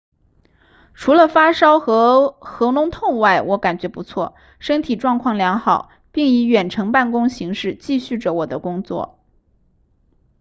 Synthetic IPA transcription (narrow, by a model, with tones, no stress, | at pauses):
ʈ͡ʂʰu˧˥lə˨fa˥ʂɑ˥ʊxɤ˧˥xɤ˧˥nʊ˧˥ŋt̪ʰʊ˥˧ŋwa˥˩ɪwɔ˧˥ka˨˩nt͡ɕɥɛ˧˥pu˧˥t͡sʰwɔ˥˩ | ʂɤ˥ŋt̪ʰi˨˩ʈ͡ʂwɑ˥˧ŋkʰwɑ˥˩ŋljɑ˧˥ŋxɑ˨˩ʊ | pi˥˩ŋi˧˥ɥɛ˨˩nʈ͡ʂʰɤ˧˥ŋpa˥˩nkʊ˥ŋɕi˧˥ŋʂɻ̩˥˧t͡ɕi˥˧ɕy˥˩ʈ͡ʂə˩wɔ˨˩d̪ə˦kʊ˥ŋt͡swɔ̰˥˩